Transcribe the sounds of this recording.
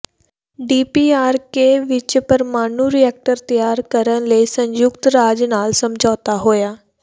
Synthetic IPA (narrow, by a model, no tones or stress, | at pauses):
ɖiːpiːaːɾkeːʋɪt͡ʃpəɾmaːnuɾiɛːk̚ʈəɾt̪əjaːɾkəɾəɳ̃ləiːsə̃ɲjʊkt̪ɾaːd͡ʒnaːlsəmd͡ʒʱɔːt̪aɦoːjaː